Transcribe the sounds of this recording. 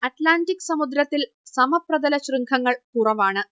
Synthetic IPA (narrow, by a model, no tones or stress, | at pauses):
ɐʈlaːndikːsɐmud̪ɾɐt̪ːil | sɐmɐprɐd̪ɐlɐɕrɨŋɡʰɐŋːɐɭkurɐʋaːɳɨ